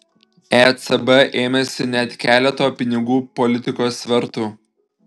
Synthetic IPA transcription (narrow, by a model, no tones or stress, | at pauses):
ɛt̪sɛbɛʔeːmʲɛsʲɪnʲɛt̪kʲæːlʲɛt̪oːpʲɪnʲɪɡuːpɔlʲɪt̪ʲɪkoːsʋʲɛɾt̪ʊ